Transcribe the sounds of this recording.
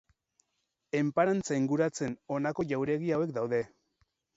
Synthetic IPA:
e̞mpaɾant͡saiŋɡuɾat͡se̞no̞nako̞ʝawɾe̞ɣiaowe̞kd̪awðe̞

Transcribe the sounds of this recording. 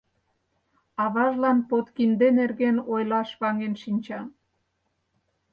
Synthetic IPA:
ɑβɑʒlɑnpot̪kind̪enerɣenojlɑʃβɑŋenʃinʲt͡ɕɑ

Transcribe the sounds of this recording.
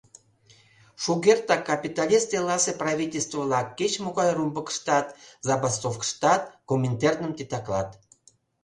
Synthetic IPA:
ʃuɣert̪ɑkːɑpʲit̪ɑlʲist̪elɑseprɑvʲitʲelʲst̪vəvlɑkːet͡ɕmoɣɑjrumbəkə̥ʃt̪ɑt̪zɑbɑst̪ofkə̥ʃt̪ɑt̪̚komʲːent̪ernəmt̪it̪ɑklɑ̰t̪

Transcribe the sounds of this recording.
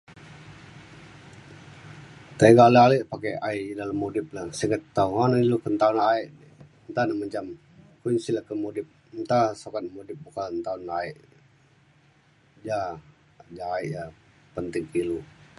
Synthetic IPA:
t̪aiɡalealiʔpakeaiʔdaləmːudɪp̚lahsəɡət̪ːaŋɔnilukənt̪aunaiʔ | nt̪anaməɲd͡ʒam | kuɲsilakəmodɪp̚ | nt̪asokat̪̚modɪp̚bukalnt̪aʊnlaiʔ | d͡ʒa | d͡ʒaːiʔja | pənt̪ɪŋkilu

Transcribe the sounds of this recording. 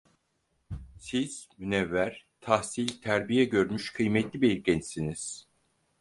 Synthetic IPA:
siz̥mynɛvːæɾ̥t̪ʰahsilʲt̪ʰæɾbijɛɟø̞ɾmyʃkʰɯjmɛt̪lʲibeliɾcʲɛnsiniz̥

